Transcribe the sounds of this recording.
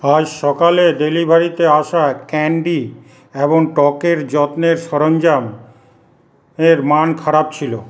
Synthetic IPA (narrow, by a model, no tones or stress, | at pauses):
ad͡ʑʃɔkaled̪elibʱaɾit̪eaʃakɛɳɖi | eboŋʈɔkeɾd͡ʑɔt̪neɾʃɔɾond͡ʑam | eɾmankʰaɾab̚t͡ɕʰilo